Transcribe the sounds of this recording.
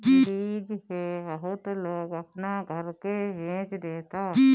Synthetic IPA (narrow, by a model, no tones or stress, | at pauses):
iːd͡ʒhebəɦʊt̪loːɡəpnaɡʱəɾkeɦẽːt͡ʃɾeːt̪aː